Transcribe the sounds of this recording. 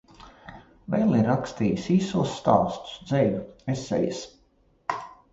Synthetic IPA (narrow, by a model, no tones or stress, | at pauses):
vɛlˠiɾːakst̪iːjisiːsuɔsːt̪a̰ːst̪u̥sd̪zɛlʲuesʲɛ̰jɪs